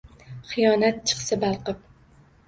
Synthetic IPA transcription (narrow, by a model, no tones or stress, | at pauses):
χɨjɒnat̪̚t͡ʃʰɨ̥χsabalˠqɨp̚